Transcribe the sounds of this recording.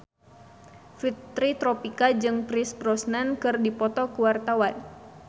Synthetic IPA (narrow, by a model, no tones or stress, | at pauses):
fit̪ːɾit̪ɾɔpikad͡ʒɨŋpɾisbɾɔsnankɨrdipɔt̪ɔkuwart̪awan